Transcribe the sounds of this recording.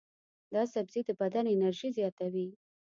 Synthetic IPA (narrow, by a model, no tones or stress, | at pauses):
d̪ɑsabzid̪əbad̪anɪnaɾʒizjɑt̪awi